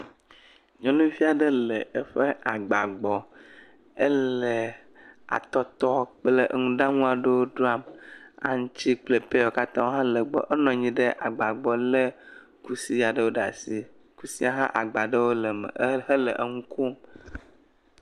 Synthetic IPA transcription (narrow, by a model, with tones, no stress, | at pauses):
ɲɔ̃˦nũ˦fi˦a˨ɖə˦lə˨e˦ɸe˦a˨ɡ͡ba˨ɡ͡bɔ˨ | ə˦llə˨ | a̰˨t̪ɔ˦t̪ɔ˦k͡plə˨ʔə˨ŋũ˦ɖa˦ŋũ˦a˨ɖe˦wo˦du˦a˦˨ma̰˨ŋ̃˦t͡ɕi˦k͡ple˨pe˦o˨ka˦t̪ã˦wo˦ɦã˦lə˨ɡ͡bɔ̰˨ʔə˦nɔ̃˨ɲĩ˦ɖə˦ʔa˨ɡ͡ba˨ɡ͡bɔ˨lə˦ | ku˦si˦a˨ɖə˦wo˦ɖa̰˨si˨ | ku˨si˦a˨ɦã̰˦ʔa˨ɡ͡ba˨ɖə˦wo˦lə˨mə̰˨˦ɦə˦lə˨ʔə˦ŋũ˦ku˦m